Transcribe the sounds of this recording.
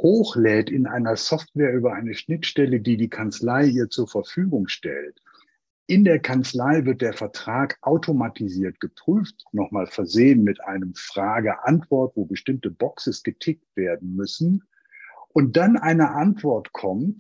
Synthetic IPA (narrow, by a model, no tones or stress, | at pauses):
hoːxlɛːtɪnʔa̰ɪnɐsɔftv̥ɛːɐʔyːbɐʔaɪnəʃnɪtʃtɛlədiːdiːkʰant͡slaɪiːɐt͡suːɐfɛɐfyːɡʊŋʃtɛ̰lt | ʔɪndeːɐkʰant͡slaɪvɪɐt̚d̥eːɐfɛɐtʁ̥aːkʔaʊtʰomatʰiziːɐtɡ̥əpʁ̥yːftnɔχmaːlfɛɐzeːənmɪtʔaɪnəmfʁ̥aːɡəʔantv̥ɔɐtv̥oːbəʃtɪmtəbɔksəsɡ̥ətʰɪk̚tv̥eːɐdn̩mʏsn̩ | ʔʊnt̚d̥anʔaɪnəʔantv̥ɔɐtkʰɔmt